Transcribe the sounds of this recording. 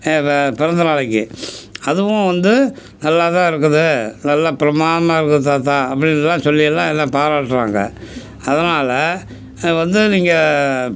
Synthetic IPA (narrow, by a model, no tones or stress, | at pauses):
eːpɪɾɐnd̪ɐnaːɭɐkːɯɐðɯʋʊ̃ʋɐnd̪ɯnɐlːaːt̪ãːɪɾɯkːɯðɯnɐlːaːpɪɾɐmaːnɐmaːɪɾɯk̬ːɯðɯt̪ːaːt̪ãːɐp̬ːɐɽɪnːɛlːãːsɔlːɪjɐlːãːɛnːãːpaːɾaːʈːɾa̰ːŋɡɐ̰ | ɐðɐnaːlɐ | ʋɐnd̪ɯniːŋɡɐ